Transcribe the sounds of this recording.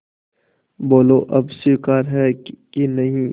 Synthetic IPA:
boːloːʔɐbsikaːɾɦɛkinɐɦĩː

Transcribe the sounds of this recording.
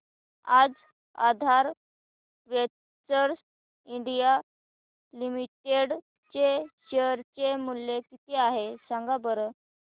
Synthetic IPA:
ad͡z | ad̪ʱaɾ | ʋe | t͡səɾs | iɳɖija | limiʈeɽ | t͡ɕeɕeəɾt͡ɕemuljekit̪eaɦesaŋɡabəɾə

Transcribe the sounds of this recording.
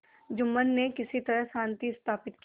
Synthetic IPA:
d͡ʒʊmːənːekɪsit̪ɐɾəɦsãːnt̪iɪst̪ʰaːpɪt̪̚ki

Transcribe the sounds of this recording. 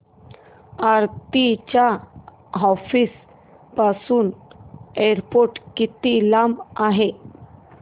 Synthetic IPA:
aɾt̪it͡ɕa | ɦɔfis | pasuːneɾpoɾʈkit̪ilamaɦe

